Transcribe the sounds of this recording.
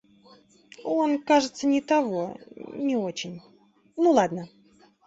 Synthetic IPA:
onkaʐɨt̪sənʲɪt̪avo̞nʲɪot͡ɕɪnʲ | nulˠad̪nə

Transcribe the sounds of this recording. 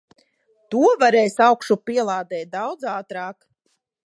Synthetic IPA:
t̪uɔvaɾɛjsawkʃupiɛlˠaːd̪ɛːt̪̚d̪awd̪zaːt̪ɾaːk

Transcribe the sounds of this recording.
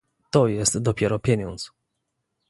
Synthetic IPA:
t̪ɔjɛst̪d̪ɔpʲɛɾɔpʲjeɲɔnt̪s

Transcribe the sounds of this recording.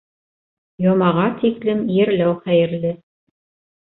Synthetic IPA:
jomɑʁɑt̪iklɘmjɘ̆ɾlæwχæjɘ̆ɾlɘ

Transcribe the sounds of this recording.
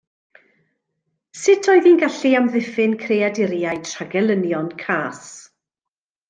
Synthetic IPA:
sɪtʰɔɨðiːnɡaɬiamðɪfɪnkʰreadɪɾjajtʰr̥aɡɛlˠənjɔnkʰaːs

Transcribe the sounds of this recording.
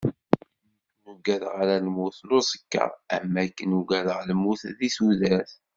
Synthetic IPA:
nuɡæðʁaɾælmuθlosˤə̥kːɑ̰ʁæmːækːənuɡæðʁləmuθðisuðæθ

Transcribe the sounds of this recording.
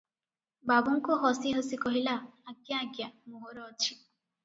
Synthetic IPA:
babuŋkuɦɔsiɦosikɔɦilaːɡjaːɡjamoɦoɾɔːt͡ʃʰi

